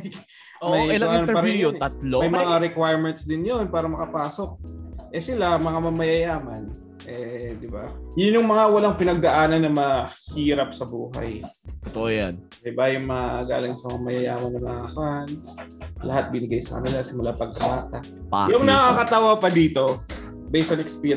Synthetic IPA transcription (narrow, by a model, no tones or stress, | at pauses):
j | omɐjɪaɛpaɾɐoɐt̪lomɐjmmɐŋaɾɛkwajɹmɛnt̪sd̪ɪnjonpaːɾɐmɐkɐpaːso̞k̚ʔɛsɪlamɐŋamɐmɐjɐjaːmɐn | ʔɛd̪ɪbajʊnjʊŋmɐŋawɐlaŋpɪnɐɡ̚d̪ɐʔaːnɐnːɐmɐhiːɾɐp̚sɐbuːɦa̰jt̪ot̪oʔojan | d̪ɪbajʊŋmɐaɡa̰ːlɪŋsɐmɐŋamɐjɐjaːmɐnmɐnɐaakan | lʔɐ̰ɦat̪̚bɪnɪɡajsɐ̰kɐ̰nɪlasɪmʊlapɐɡ̚kɐbaːt̪a | a̰jʊŋnɐakɐt̪awapɐd̪iːt̪o̞ | bɛjsɐnɛkspi